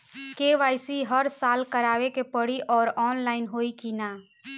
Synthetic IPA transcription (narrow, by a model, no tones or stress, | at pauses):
keʋaːɪsiɦəɾsaːlkəɾaːʋekepəɽiʔɔːɾɔːnlaːɪnɦoːikinaː